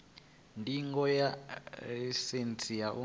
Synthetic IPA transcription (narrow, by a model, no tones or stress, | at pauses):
ntʼiŋɡɔja | sent͡sʰʼijaʔṵ